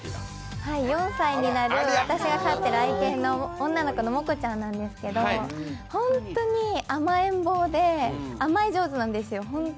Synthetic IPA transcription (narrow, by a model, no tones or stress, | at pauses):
haijõ̞ɰ̃saiɲ̟inaɾɯ̟βat̪aɕiɡakat̪ːeɾɯaikẽ̞nːo̞õnːano̞ko̞no̞mo̞kɯ̟t͡ɕãnːãnd̪e̞sɨ̥ke̞d̪o̞hõ̞nt̪o̞ɲ̟iamaẽ̞mbo̞ːd̪e̞amaid͡ʑo̞ːzɨnãnd̪e̞sɨjo̞ɦõn